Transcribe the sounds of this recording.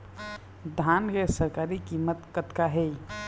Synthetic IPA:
d̪ʱaːnkesəɾkaːɾikimːət̪kət̪kaɦɛ

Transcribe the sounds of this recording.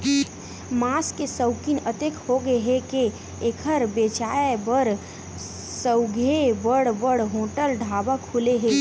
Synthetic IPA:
maːskesəʊkinət̪ekʰhoɡeɦeke | ekʰəɾbeːt͡ʃaːebəɾ | səʊɡʱebəɽbəɽɦoːʈəlɖʱaːbakʰuleɦeː

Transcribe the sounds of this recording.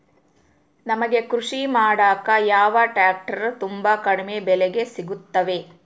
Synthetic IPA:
nɐmɐɡe̞kɾuʂimaːɽaːkɐjaːʋɐʈaːk̚ʈɐɾut̪umbakɐɽɐmebɛlɛɡe̞siɡut̪ːɐʋe̞

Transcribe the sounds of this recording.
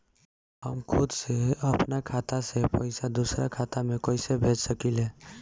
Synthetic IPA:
ɦəmkʰʊd̪seəpnakʰat̪asepəɪsad̪usɾa̰kʰat̪amẽkoɪsebʱed͡ʒsəkile

